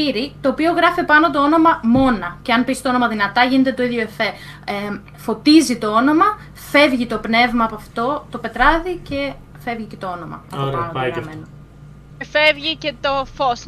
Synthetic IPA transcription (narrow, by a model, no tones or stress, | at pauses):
iɾit̪o̞ːpio̞ɣɾɐfipɐno̞t̪o̞o̞no̞mɐmo̞nɐce̞ɐnpist̪oo̞no̞mɐðinɐt̪ɐʝinet̪et̪o̞iðʝoefe | fo̞t̪izit̪o̞o̞no̞mɐ | fe̞vʝit̪o̞pne̞vmɐːpoɐft̪o̞t̪o̞pe̞t̪ɾɐðice̞ | fe̞vʝice̞t̪o̞o̞no̞mɐ̰ɐ̰oɾɐemeno | efevʝice̞t̪ofos